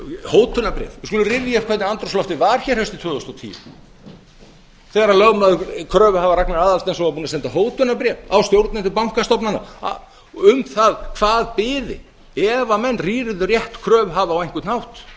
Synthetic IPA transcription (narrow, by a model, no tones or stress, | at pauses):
howt̪ʰʏnapɾjɛ̰vɪskɔːlʏrɪvjɛ̥kʰvɛt̪nɪant̪ɾɔslɔft̪ɪvaɾ̥çɛɾhɛst̪ɪt̪ʰvœːðɔst̪ɔt̪ʰḭːʏ | θɛːɣɾalœɣmaðʏkʰɾœːvhavaɾaknaɾaːðalst̪ɛnsɔapuːnasɛnt̪aɦoːwt̪ʰʏnapɾjɛvawst̪jowɾt̪nɪnt̪ʏpawŋ̥kast̪ɔpnana̰ | ʏmθaðkʰv̥aːðpɪːðɪ̰ | ɛvamɛnːriːɾɪðʏrjɛht̪kʰɾœːvɦavaːwejŋkvʏt̪nhawt̪